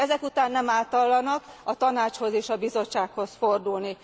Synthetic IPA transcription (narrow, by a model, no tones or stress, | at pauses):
ɛzɛkut̪aːnːɛmaːt̪ɒlːɒnɒkɒt̪ɒnaːt͡ʃho̞zeːʃɒbizo̞t͡ʃːaːkho̞sfo̞rd̪ulni